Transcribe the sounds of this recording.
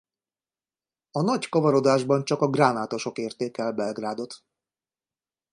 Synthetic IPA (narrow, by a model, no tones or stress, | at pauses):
ɒnɒckɒvɒɾo̞d̪aːʒbɒnt͡ʃɒkɒɡraːnaːt̪o̞ʃo̞keːrt̪eːkɛlbɛlɡraːd̪o̞t̪